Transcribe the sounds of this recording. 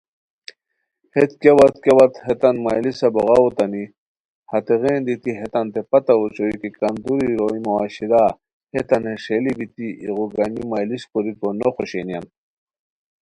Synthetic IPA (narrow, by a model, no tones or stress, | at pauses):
het̪kewɐt̪kewɐt̪het̪ɐnmajlisɐboɣaut̪ani | hɐt̪eɣeːnd̪it̪iɦet̪ɐnt̪epɐt̪aut͡soikikɐnd̪uɾiɾoimɐwaɕid̪a | het̪ɐnheʂelibit̪iiɣuɡanimajliskoɾikonoχoɕenjan